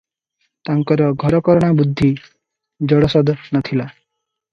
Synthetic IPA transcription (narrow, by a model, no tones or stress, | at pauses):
t̪aŋkɔɾɔɡʱɔɾɔkɔɾɔɽ̃abud̪ʱːi | d͡ʒɔɽɔsɔd̪ɔnɔt̪ʰila